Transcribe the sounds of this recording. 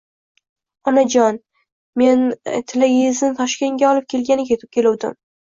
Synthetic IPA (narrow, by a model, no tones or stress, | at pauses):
ɒnad͡ʒɒn | me̞nt̪ʰɪlaɡʲzɪnt̪ʰɒʃkʲe̞ŋɡʲaɒlɪp̚kʲʰe̞lɡʲanɪkʲʰe̞t̪ʰɪ̥p̚kʲʰe̞lʊwd̪ɪ̰m